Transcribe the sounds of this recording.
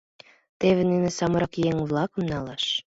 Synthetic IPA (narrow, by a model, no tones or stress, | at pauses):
t̪eβĕnenesɑmɤɾɑkjeŋβlɑkə̆mnɑlɑʃ